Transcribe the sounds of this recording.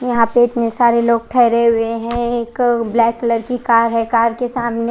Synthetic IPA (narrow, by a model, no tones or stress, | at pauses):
jɐɦãpeɪt̪nesaːɾeloːɡ̚ʈʰɛːɪɾeɦʊeɦɛ̃eːkblɛːkːləɾkikaːɾɦɛ̃kaːɾkesaːmne